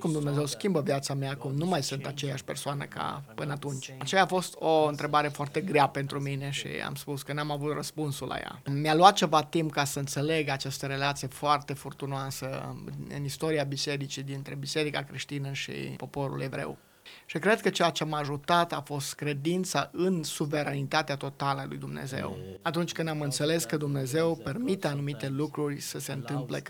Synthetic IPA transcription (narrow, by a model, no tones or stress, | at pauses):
kumd̪umne̞zewskʲimbəvjat̪sameakumnumajsɨnt̪at͡ʃe̞jaʃʲpe̞rsoanə̰ka̰pɨnəat̪unt͡ʃʲat͡ʃejaːfo̞st̪oɨnt̪ɾe̞baɾe̞foart̪e̞ɡɾeape̞nt̪ɾumine̞ʃḭa̰mspuskənamavut̪rəspunsulʔa̰ja̰mʲaluat̪̚t͡ʃe̞vat̪impkasəɨnt̪se̞le̞ɡat͡ʃast̪əɾe̞lat̪sijefoart̪e̞furt̪unoasəɨ̰nist̪o̞ɾiabise̞ɾit͡ʃid̪int̪ɾe̞bise̞ɾikakɾiʃt̪inəʃḭpo̞po̞ɾṵle̞vɾe̞̰w | ʃikɾe̞d̪̚kət͡ʃejat͡ʃeamaʒut̪at̪afo̞st̪kɾe̞d̪int̪saʔɨnsuve̞ɾanit̪at̪eat̪o̞t̪aləalṵjd̪umnḛze̞̰wat̪unt͡ʃʲkɨnd̪amɨnt̪se̞le̞skəd̪umne̞ze̞wpe̞rmit̪eanumit̪e̞lukɾurʲsəse̞ɨnt̪ɨmplḛ